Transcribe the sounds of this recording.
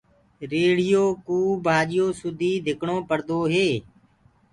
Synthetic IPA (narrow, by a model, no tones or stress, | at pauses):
ɾeːɽɪjoːkuːbʱaːɗɪjoːsʊd̪ʱiːd̪ʱɪkʰɳõːpəɾd̪oːɦeː